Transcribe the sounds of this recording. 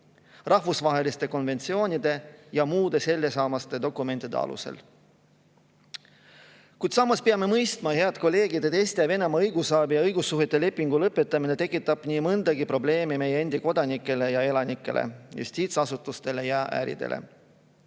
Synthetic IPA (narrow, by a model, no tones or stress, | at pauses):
rʔɑhvusvɑɦe̞list̪e̞ko̞nve̞nt̪sio̞ːnʲid̪̥e̞jɑmuːd̪̥e̞se̞lːesɑːmɑst̪e̞d̪o̞kˑːume̞nt̪id̪e̞̰ɑ̰lṵse̞̰l | kujd̪sɑmːɑspeɑme̞mɤjst̪mɑhe̞ɑd̪ko̞lːe̞ːɡid̪̥et̪est̪ejɑve̞nemɑɤjɡ̥usɑːbijɑɤjɡusːuɦet̪ːˑe̞le̞pːˑiŋɡulɤpːˑet̪ːˑɑminet̪e̞kːˑit̪ːˑɑb̥niːmɤnd̪̥ɑɡipɾo̞ble̞ːmime̞jeend̪̥iko̞d̪ɑnikːˑe̞le̞jɑe̞lɑnikːˑe̞̰lʔḛjṵst̪iːt̪sɑsut̪ˑːust̪e̞lejɑʔæ̰ːɾḭd̪̥e̞̰lḛ